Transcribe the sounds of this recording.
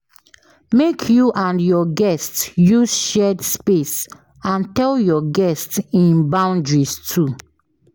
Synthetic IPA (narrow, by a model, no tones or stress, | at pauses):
mekʰjuʔãnjɔɡɛstjusʃɛdspes | ãntɛljɔɡɛstsĩnbãʊ̃ndɹistʰu